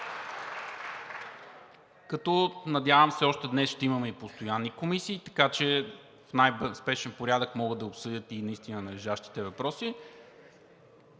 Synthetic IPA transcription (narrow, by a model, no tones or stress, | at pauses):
kɐt̪ɔnɐd̪ʲjavəmsɛɔʃt̪ɛd̪nɛsʃt̪ɛimɐmɛipost̪ojanːikomisiːt̪ɐ̥kat͡ʃɛ | fnajspɛʃɛnpoɾʲjad̪əkmɔɡəd̪ɐopsɤd̪ʲət̪inɐist̪inənɐlɛʒaʃt̪i̥t̪ɛvɐpɾɔsi